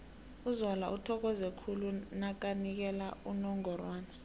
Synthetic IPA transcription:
uzwalaʔutʰɔk̬ɔzɛkʰulunak̬anik̬ɛlaunɔŋɔrwaːna

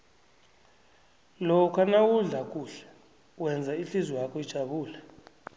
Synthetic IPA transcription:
lɔkʰanawuɮakʼuːɬɛ̥ | wɛnd͡zʱaiɬizwakʰʼɔid̥ʒ̥ʱaɓuːla

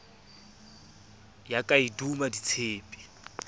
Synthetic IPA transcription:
jakʼaidumadit͡sʰeːpʼi̥

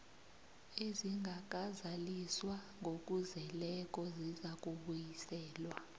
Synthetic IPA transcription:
eziŋɡʱak̬ʼazaliswa | ŋɡʱok̬ʼuzɛlɛk̬ʼɔzizak̬ʼuɓujisɛːlwa

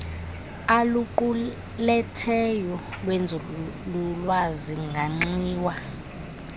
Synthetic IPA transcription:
aluǃu | lɛtʰɛjɔlwɛnd͡zʱululwaziŋɡʱaŋ͡ǀiːwa

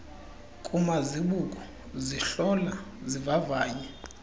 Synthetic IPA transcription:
kʼumaziɓukʼɔ | ziɬɔlazivavaːɲɛ

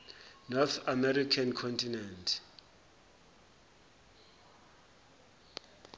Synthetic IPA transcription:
nɔθamɛɾikʰankʰɔntʰinɛntʰ

